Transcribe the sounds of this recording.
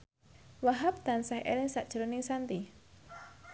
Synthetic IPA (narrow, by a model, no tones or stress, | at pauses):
waɦap̚d̪ansahʔɛ̰lɛsaʔdd͡ʒ̥əɾonɪŋsant̪i